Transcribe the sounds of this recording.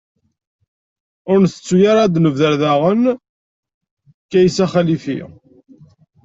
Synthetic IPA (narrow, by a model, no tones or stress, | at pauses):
ʊɾnθə̥t͡sːujaɾˤad̪nəvðəɾðaʁən | kːæjsæχælifḭ